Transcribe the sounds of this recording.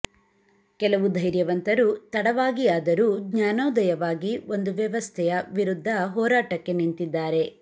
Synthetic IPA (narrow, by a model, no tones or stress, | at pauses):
kɛlɐʋud̪ʱɐjɾjɐʋɐnt̪ɐɾuːt̪ɐɽɐʋaːɡiaːd̪ɐɾuːɡɲaːnɐwd̪ɐjɐʋaːɡio̞nd̪uʋjɐʋɐst̪ʰɛjɐʋiɾud̪ʱːɐɦɔːɾaːʈɐkːe̞nint̪id̪ːaːɾe̞